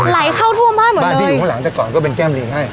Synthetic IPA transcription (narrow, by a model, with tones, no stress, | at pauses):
la˨˩˦jkʰaː˥˩wt̪ʰu˥˩əmbaː˥˩jmo˩˦a˦˧tːəiː˧˨uː˨˩ɔ˦˩la˩˦ŋt̪ɛː˨˩kɔː˨˩˦nkɔː˥˩p̬e˧nkɛː˥˩mliː˧˩ha˥˩j